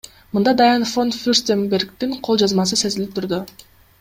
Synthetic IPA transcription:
mɯnd̪ɑd̪ajanfont̪fʲysʲt̪ʲembe̞rkt̪iŋqʰo̞lˠd͡ʒɑzmɑs̬ɯse̞zilʲip̚t̪ʰyɾd̪y

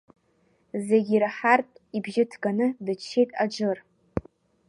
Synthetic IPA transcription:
zeɡʲiɾaħartʼibʒɪtʰɡanɨdɨt͡ʃʰːejtʼad͡ʒɨr

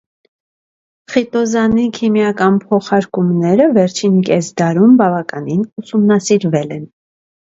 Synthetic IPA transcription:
χit̪ɔzɑnikʰimjɑkɑnpʰɔχɑɾkumnɛɾəvɛɾt͡ʃʰinkɛsd̪ɑɾumbɑvɑkɑninusumnɑsiɾvɛlɛn

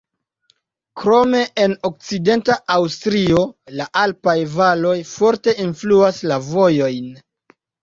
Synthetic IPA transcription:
kɾo̞me̞ʔeno̞k̚t͡side̞ntaʔawstɾio̞laʔalpajvalo̞jfo̞ɾte̞ʔinfluaslavo̞jo̞jn

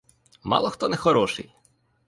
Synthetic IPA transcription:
mɑ̰lˠɔxt̪ɔnɛxɔɾɔʃɪ̰j

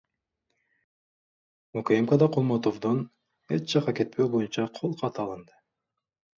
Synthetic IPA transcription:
mukoemkod̪ɑqʰolˠmot̪ovd̪on | et͡ʃd͡ʒɑqːɑke̞t̪̚pʰøwbo̞junt͡ʃɑqʰolˠqʰɑt̪ɯɑlˠɯnd̪ɯ

